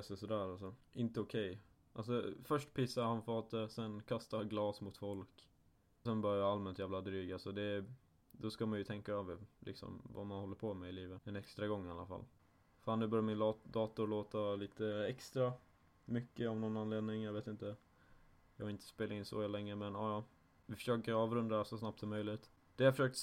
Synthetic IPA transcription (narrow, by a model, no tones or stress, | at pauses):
sɔsɔd̪æːɾalsɔʔɪnt̪əɔkʰɛj | ʔals̬ɔfœʂʈpʰɪsaɾhanfɑːt̪əsɛnkʰast̪aɡlɑːsmʊt̪fɔlk | sɛnbœɾjajaalmɛnt̪jæːvlad̪ɾyːɡalsɔd̪ɛ | d̪ɔskamanjɵt̪ʰɛŋkaːvlʔɪ̰ksɔ̰mva̰manhɔlːəɾpʰɔmɛɪliːvət̪ɛnɛkst̪ɾaɡɔŋːɪa̰lːa̰fa̰l | faːnːʉːbœɾjmɪnd̪ɑːt̪ʊɾɭoːt̪aliːt̪əɛkst̪ɾa | mʏkːəavnɔnːanleːd̪nɪŋjɑɡveːt̪ɪnt̪ə | jɑɡaɾɪnt̪ʰə̥speːlaɪnsɔ̰hɛlːɛŋːəmɛnɑːjɑ | vɪfœ̥ʂøːkəɾɑːvɾɵnd̪asɔsnapt̪sɔmːœjlɪt̪ | d̪̥ɛjafœʂøːk̚t̪